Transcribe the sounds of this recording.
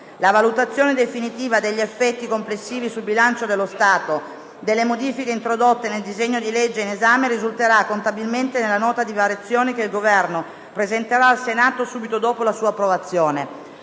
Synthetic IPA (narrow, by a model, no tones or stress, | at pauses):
lavalut̪at̪sːjoːned̪efinit̪iːvad̪eʎːiefːɛt̪ːikomplesːiːvisulbilant͡ʃod̪elːost̪aːt̪o | d̪elːemod̪iːfikeint̪ɾod̪ot̪ːeneld̪izeɲːod̪iled͡ʒːeinezaːmeɾizult̪eɾakːont̪abilment̪enelːanɔːt̪ad̪ivaɾjat̪sːjoːnekeilɡovɛrno | pɾezent̪eɾaːlsenaːt̪osuːbit̪od̪oːpolasuːaːpːɾovat̪sːjoːne